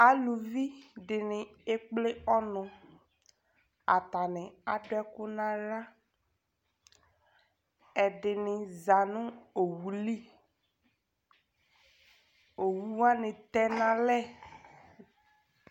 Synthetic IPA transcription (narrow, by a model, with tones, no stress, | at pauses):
a˦lu˨vi˦dɪ˨nɪ˨e˦k͡plɪ˦ɔ˦nʊ̃˨ | a̰˨ta˨nɪ˨a˨dʊ˦ɛ˦kʊ˦nã˦la˦ | ɛ˨dɪ˨nɪ˨za˨nʊ̃˦o˨wu˨li˦ | o˨wu˦wa˦nɪ̃˨t̪ɛ˦nã˨lɛ˦˨